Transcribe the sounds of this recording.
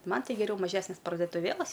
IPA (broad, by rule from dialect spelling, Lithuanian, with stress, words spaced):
ˈmɐn ˈtʲɪ ɡʲɛˈrʲɛʊ mɐˈʒʲæːsʲnʲɛs pɐrdoːtʊˈʋʲeːlˠɐs